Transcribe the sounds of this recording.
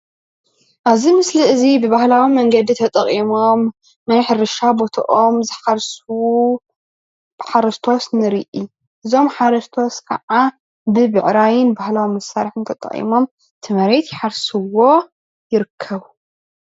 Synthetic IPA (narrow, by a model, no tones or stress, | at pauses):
ʔaβzimɨsliɨzibɨβahlawimɐŋɡɐd̪it̪ʰɐt̪ʼɐχʼimo̞mː | ɐnħɨɾɨʃabo̞t̪ʰɐ̰ʔomzɨħaɾsu | bħaɾɐst̪ʰo̞snɨɾiʔi | ʔɨzo̞mħaɾɐst̪ʰo̞skʰɐ̰ʕa | bɨbɨʕɾajɪnbahlawimɐsːaɾħɨnt̪ʰɐt̪ʼɐ̰χʼḭmo̞m | t̪ʰɨmɐɾet̪jɪħaɾsɨwo̞ | jɪɾɨkʰːɐβu